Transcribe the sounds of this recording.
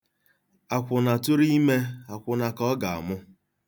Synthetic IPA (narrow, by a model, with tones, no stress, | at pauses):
a˨kʷʊ˨na˨tʊ˦ɾi˦i˦me˦a˨kʷʊ˨na˨kɔ˦ɡa˨a̰˨mʊ˦